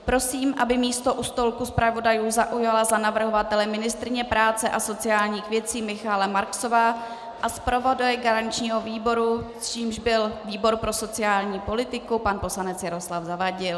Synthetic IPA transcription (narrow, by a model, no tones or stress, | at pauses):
pɾo̞siːmʔabɪmiːst̪o̞ʔust̪o̞lkuspɾavo̞dajuːzaʔujalazanavr̩ɦovat̪ɛlɛmɪnɪst̪ɾɪɲɛpɾaːt͡sɛʔaso̞t͡sɪaːlɲiːxvjɛt͡siːmɪxalɛmaɾksovaː | ʔaspɾo̞vodujɛɡaɾant͡ʃɲiːɦo̞viːbo̞ɾust͡ʃiːmʒbɪlviːbo̞ɾpɾo̞so̞t͡sɪaːlɲiːpo̞lɪt̪ɪkupanpo̞slanɛt͡sjaɾo̞slafzavaɟɪl